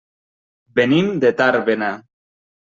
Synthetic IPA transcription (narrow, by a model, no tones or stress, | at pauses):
benimd̪et̪aɾβena